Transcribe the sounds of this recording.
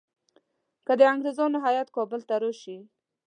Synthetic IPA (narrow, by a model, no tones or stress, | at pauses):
kəd̪əaŋɡɾezɑnɪɦajat̪kɔbəlt̪aɾoʃi